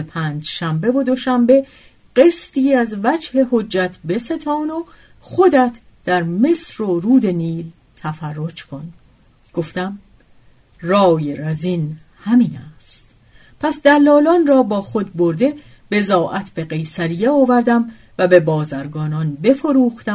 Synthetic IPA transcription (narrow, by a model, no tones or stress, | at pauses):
epʰæːnd͡ʒʃæmbe̞vod̪o̞ʃæmbe̞ | ɢ̥est̪iːæzvæd͡ʒhe̞ho̞d͡ʒːæt̪ʰbe̞se̞t̪ʰɒːno | xod̪æt̪ʰ | d̪̥æɾme̞sɾoɾuːd̪e̞niːl | t̪ʰæfærːo̞d͡ʒkʰo̞n | ɡ̥o̞ft̪æm | rɒːjeɾæzin | hæmiːnæst̪ | pʰæsd̪ælːɒːlɒːnrɒːbɒːxo̞d̪̚bo̞ɾd̪e̞ | b̥e̞zɒːʔæt̪ʰb̥e̞ɣe̞jsæɾijeɒːvæɾd̪æm | væbe̞bɒːzæɾɡɒːnɒnbe̞fo̞ɾuːxt̪æ